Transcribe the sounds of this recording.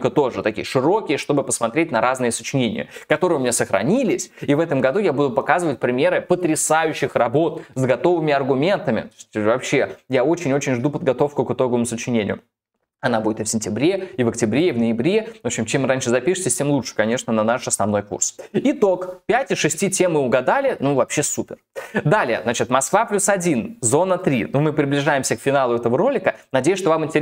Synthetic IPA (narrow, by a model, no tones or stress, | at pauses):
kət̪o̞ʐɨt̪ɐkʲḭjəʂɨɾo̞kʲɪjəʂt̪o̞bɨpəsmɐt̪ɾʲetʲnɐɾaznɨjəsət͡ɕɪnʲenʲɪ̰jə̰kɐt̪o̞ɾɨjʊmɪnʲasəxɾɐ̰nʲilʲɪsʲivɛt̪əmɡɐd̪ujabud̪ʊpɐkazɨvət̚ʲpɾʲɪmʲe̞ɾɨpət̪ɾʲɪsajʉɕːɪxrɐbo̞t̪zɡɐt̪o̞vɨmʲɪɐrɡʊmʲe̞nt̪əmʲɪ̰t̪osʲtʲvɐpɕːe̞jao̞t͡ɕɪnʲo̞t͡ɕɪnʲʐd̪upəd̪̚ɡɐt̪o̞fkʊkɨt̪o̞ɡəvəmʊsət͡ɕɪnʲenʲɪ̰jʊ̰ | ɐnabudʲɪt̪ɨfsʲɪnʲtʲɪbɾʲe̞ivəktʲɪbɾʲeivnəjɪbɾʲe̞opɕɪmt͡ɕemranʲʂɨzɐpʲiʂɨ̥tʲɪsʲtʲe̞mlˠut͡ʂʂɨ̥kɐnʲe̞ʂnənɐnaʂɐsnɐvno̞jkṵrsɪt̪o̞kpʲætʲɪʂɨsʲtʲitʲe̞mɨʊɡɐd̪alʲɪnuvɐpɕːe̞supʲɪrd̪alʲɪjə̰znat͡ɕɪt̪mɐskvaplʲusɐdʲinzo̞nət̪ɾʲḭnumɨpɾʲɪblʲɪʐajɪmsʲəkfʲɪnalˠʊɛt̪əvəɾo̞lʲɪkənɐdʲejʊʃʂt̪ovamɪnʲtʲɪ